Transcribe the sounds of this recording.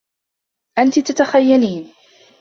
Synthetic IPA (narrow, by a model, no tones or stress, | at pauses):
ʔant̪ɪt̪at̪axajːaliːn